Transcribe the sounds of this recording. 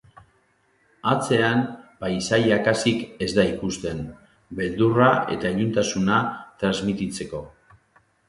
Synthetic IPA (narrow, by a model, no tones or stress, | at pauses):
at͡se̞ampajsajakasike̞zd̪aikust̪e̞n | be̞ld̪urae̞̰t̪aeʎunt̪asunat̪ɾazmit̪it͡se̞ko̞